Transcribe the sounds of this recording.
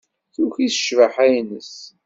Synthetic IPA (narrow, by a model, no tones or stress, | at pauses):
θuçisə̥ʃvaħæjnəs